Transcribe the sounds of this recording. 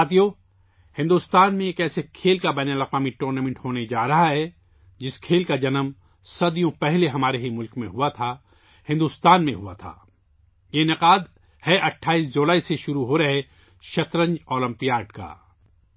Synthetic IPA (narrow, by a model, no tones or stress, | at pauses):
at̪ijo | hɪ̃nd̪uːst̪aːnmẽeːkɛːsekʰeːlkabɛːnəlɐqwaːmiʈuːɾnaːmɛ̃ɳʈɦoːned͡ʒaːɾɐɦaɦɛ | d͡ʒɪskʰeːlkad͡ʒɐnəm | sɐd̪ijõpɛɦleɦɐmaːɾeɦimʊlkmẽɦuat̪ʰa | hɪ̃nd̪uːst̪aːnmẽɦua̰t̪ʰa̰ː | jenɪqaːd̪ | hɛʔɐʈʰːaːiːs̬d͡ʒoːlaːiseʃʊɾuɦoɾɐɦe | ʃɐt̪ɾə̃ɲd͡ʒɔːlə̃mpijaːɖka̰ː